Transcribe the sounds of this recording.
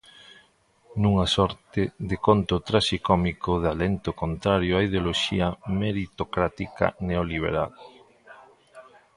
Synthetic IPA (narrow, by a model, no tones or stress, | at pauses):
nũŋasɔɾt̪ɪðekont̪ʊt̪ɾaʃikɔmikʊðalent̪ʊkont̪ɾaɾjʊaiðeoloʃiɐmeɾit̪okɾat̪ika̰neoliβ̞ḛɾa̰l